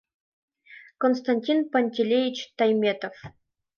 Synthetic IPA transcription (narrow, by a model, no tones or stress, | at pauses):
kons̬t̪anʲtʲinpɐnʲtʲelʲejʲit͡ɕt̪ɑjmʲet̪of